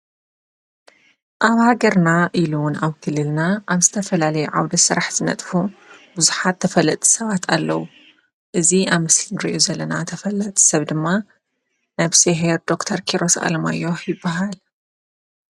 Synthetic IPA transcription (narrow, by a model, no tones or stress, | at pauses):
ʔaβhaɡɐɾnaʔilunaβkʰɨlːɨlnaʔaβzɨt̪ʰɐfɐlalɐjuʕawd̪ɐsɨɾaħz̥ɨnɐ̰t̪ʼfubuzuħat̪ʰːɐfɐlɐt̪ʼi̥sɐβat̪ʰalːɐwu | ʔɨziaβmɨslɨnɾḭʔuzɐlːɐnat̪ʰɐfɐlːɐt̪ʼi̥sɐβd̪ɨmːa | nɐβseɦeɾd̪o̞kt̪ʰɐɾkʰiɾo̞sa̰lma̰jo̞ħjɪbːaɦal